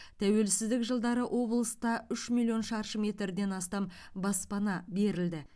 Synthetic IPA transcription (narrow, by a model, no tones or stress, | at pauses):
t̪ʰæwe̞lsɪzd̪ɪkʒəlˠd̪ɑɾəʔo̞blˠəst̪ɑʏʃmʲilʲˠjo̞nʃɑɾʃəme̞t̪ɾd̪e̞nɑst̪ɑmbɑspɑnɑbe̞ɾɪld̪ɪ